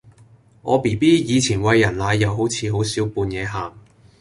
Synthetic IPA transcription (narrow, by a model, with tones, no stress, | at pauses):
ʔɔː˨˧pi˨˩piː˥jiː˨˧t͡sʰiː˨˩nwɐ˨˧jːɐ˨˩nlaː˨˧jjɐ˨˧wɦo˨˥wt͡sʰiː˨˧ɦo˨˥wsiː˨˥wpuː˧njɛː˨˧ɦaː˨m